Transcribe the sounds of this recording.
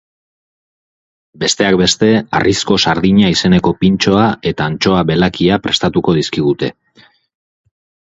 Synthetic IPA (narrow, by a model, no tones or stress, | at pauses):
be̞st̪e̞akbe̞st̪e̞a̰rʔisko̞saɾðiɲaise̞ne̞ko̞pint͡ʃo̞ae̞t̪aːnt͡ʃo̞aβe̞lakiapɾe̞st̪at̪uko̞ð̞iskiɣ̞ut̪e̞̰